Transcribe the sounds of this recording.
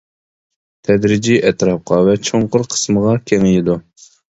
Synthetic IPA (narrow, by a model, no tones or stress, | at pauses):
t̪ʰɛd̪ɾɪd͡ʒiʔɛt̪ɾɑp̚qʰɑvɛt͡ʃʰoɴqʊɾqʰə̥sməʁɑkʲʰɛŋɪjid̪u